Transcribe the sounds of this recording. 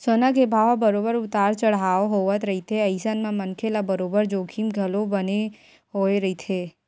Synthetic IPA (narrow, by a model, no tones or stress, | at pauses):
sonakebʱaʋabəɾobəɾʊt̪aɾt͡ʃəɭɦaoɦoʋət̪ɾəɦit̪ʰeəjsanmãmənkʰelabəɾobəɾd͡ʒoɡʰʱimɡʱəlobəne | ɦojɾəɦit̪ʰe